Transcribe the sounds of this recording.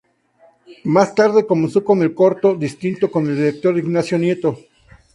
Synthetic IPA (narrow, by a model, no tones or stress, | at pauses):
mast̪aɾðe̞ko̞mensoko̞ne̞lko̞ɾt̪oðist̪int̪o̞ko̞ne̞ld̪iɾek̚t̪o̞ɾiɡnasjo̞nje̞t̪o̞